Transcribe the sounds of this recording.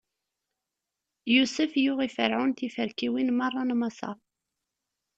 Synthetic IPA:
jusəfjʊʁifəɾʕʊnt̪ifəɾkiwinmɑrˤːɑnmɑsɑ̰ɾˤ

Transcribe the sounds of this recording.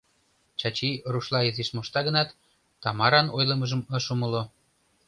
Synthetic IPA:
t͡ɕɑt͡ɕiruʃlɑizeʃmoʃt̪ɑɣənɑt̪ː | ɑmɑɾɑnojləməʒəmə̆ʃuməlo

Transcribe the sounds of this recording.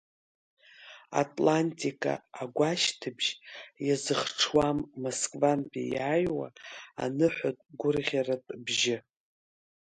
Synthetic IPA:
a̰tʼlantʼikʼa̰ːɡʷaʃtʰɨbʒjazɨχʈ͡ʂʰwamːoskʼvanpḭjaːjwa̰ːnɨħʷatʼɡʷʊrʁʲaratʼbʒɪ

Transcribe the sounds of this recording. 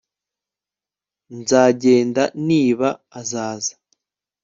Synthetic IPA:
nzaːɟeːndaniːβaːzaːzḁ

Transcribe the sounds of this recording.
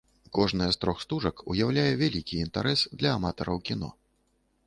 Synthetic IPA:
kɔʐnɨjɐst̪ɾɔxst̪uʐɐkujawlʲajɛvʲalʲikʲiːnt̪aɾɛsd̪lʲɐːmat̪ɐɾɐwkʲin̪ɔ̰

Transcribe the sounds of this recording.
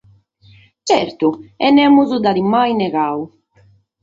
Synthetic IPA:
t͡ʃɛɾt̪uɛnːɛmːuzud̪aðimajnɛɣaːu

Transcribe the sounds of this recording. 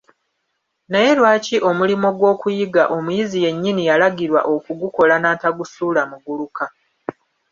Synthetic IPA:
neje̞lwaːciʔo̞mulimo̞ɡwo̞ːkujiɡaʔo̞mujizije̞ɲːinijalaɡiɾwa̰ʔo̞kuɡuko̞lanaːtaɡusuːlamuɡuluka

